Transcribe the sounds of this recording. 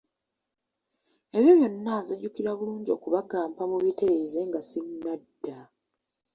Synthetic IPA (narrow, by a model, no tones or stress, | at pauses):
eβjoβjo̞nːazeɟukiɾaβuluːɲɟio̞̰kuβaɡaːmpamuβite̞ɾeze̞ŋɡasiɲːadːa